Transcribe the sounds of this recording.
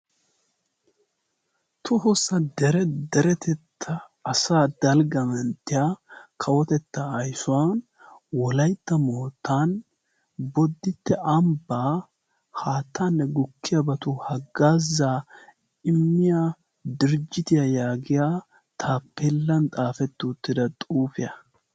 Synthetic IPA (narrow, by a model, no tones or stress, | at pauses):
t̪ʰʊɦɔsɐd̪ɛɾɛd̪ɛɾɛt̪ɛt̪ʰːɐː | saːd̪ɐlɡɐmɛnt̪ːɪjaːkʰɐwɔt̪ɛt̪ːɐɐjsʊwaːn | wɔlɐjt̪ːɐmoːt̪ːaːn | bɔd̪ːɪt̪ːɛʔɐmbaː | haːt̪ːanːɛɡʊkʰːɪjɐbɐt̪ʊhɐɡːaːzːaː | ɪmːɪja | d̪ɪɾd͡ʒɪt̪ɪjajaːɡɪjaː | t̪ʰaːpːelːɐnt̪ʼaːfɛt̪ːʊːt̪ːɪd̪ɐt̪ʼuːfɪjɐ